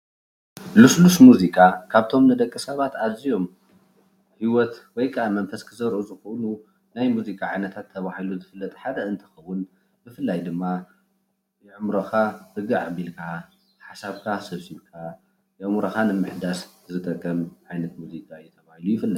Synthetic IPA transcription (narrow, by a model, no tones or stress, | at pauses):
luslusmuzikʼakʰaβt̪ʰo̞mnɨd̪ɐkʼːɨsɐβat̪azijo̞m | hiwɔt̪wɔjkʰʼaʔamɐnfɐskʰɨzɐɾʔuzɨxonu | najmuzikʼaʕajnɐt̪ʰat̪ʰːɐβahiluzɨfɨlːɐt̪ʼħad̪ɐɨnt̪ʰɐ̥xɐwːʊn | bɨfɨlːajd̪ɨmːa | jɪʕɨmɾɐxahɨɡɨʕabilkʰa | ħasaβkʰasɐβsiβkʰa | jʕmɾɐkanɨmːɨħd̪as | zɨt̪ʼɐkʼːɐmʕajnɐt̪muzikʼajɛt̪ʰɐβahilujɪfɨlːɐt̪ʼ